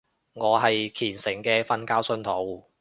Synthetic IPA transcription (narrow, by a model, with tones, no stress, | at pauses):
ŋɔː˨˧ɦɐ˨jkʰiː˨˩nsɪ˨˩ŋkɛː˧fɐ˧nkaː˥wsɵ˧˥nt̪ʰo˨˥w